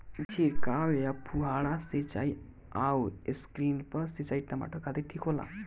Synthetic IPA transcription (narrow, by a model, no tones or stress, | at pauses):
t͡ɕʰiɾkawjapʰuɦaɭaset͡ʃa̰j | aweskɾinpəset͡ʃajʈama̰ʈʰokad̪iʈʰikʰola̰